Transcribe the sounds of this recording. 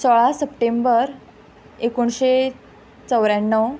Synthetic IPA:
sɔɭasəpʈembəɾ | ekoɳɕe | t͡səwɾanːəw

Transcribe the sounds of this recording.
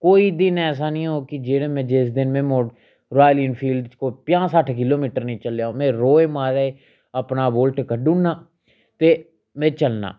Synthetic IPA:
koːiːd̪ɪnɛːs̬aːnĩːɦoːkɪd͡ʒeːɽeːmɛ̃ːd͡ʒɪsd̪ɪnmɛ̃ːmoː | ɾaːliːnpʰiːlɖt͡ʃkoːpɪjãːsaʈʰkɪloːmiːʈəɾnĩːt͡ʃəljaːõːmɛ̃ːɾoːeːmaːɾaːe | əpnaːboːlʈkəɖuːnːaː | t̪eː | mɛ̃ːt͡ʃəlna̰ː

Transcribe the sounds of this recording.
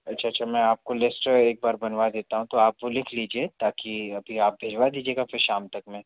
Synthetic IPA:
ɐtːʃʰaːʃʰamɛ̃aːp̚kolɪsʈeːk̚baːɾbɐnʋad̪eːt̪aɦũt̪oaːpʋolɪkʰliːd͡ʒiet̪aːkiɐbʱiaːp̚bʱeːd͡ʒʋad̪iːd͡ʒieːɡafɪɾʃaːmt̪ɐkmẽː

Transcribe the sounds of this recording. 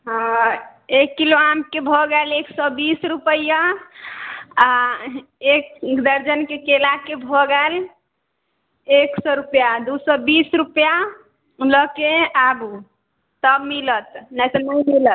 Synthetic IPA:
ɦ | ekːiloamkebʱɔɡəleksɔbisɾupəja | a | ekd̪əɾd͡ʒənkekelakebʱɔɡɛl | eksɔɾupjad̪usɔbisɾupja | ləkeabu | t̪əbmilət̪najt̪ɔnəjmilət̪̚

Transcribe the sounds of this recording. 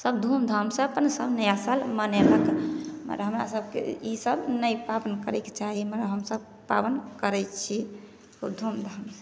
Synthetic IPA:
səbd̪ʱumd̪ʱəmsəəpənsəbnəjasalməneləkmə̰ɾɦəmɾa̰səb̚ʱkḛisəbnəjpabənkəɾɛke̥t͡ʃaɦiməɾɦəmsəb̚ | pa̰bənkəɾɛjt͡ʃʰi | oɾd̪ʱumd̪ʱəmse

